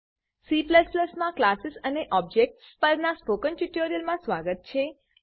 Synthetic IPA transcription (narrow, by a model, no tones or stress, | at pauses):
sipləspləsmãklasisəneʔɔbd͡ʒek̚ʈspəɾnaspokənʈuʈoɾijəlmãsʋaɡət̪̚t͡ʃʰe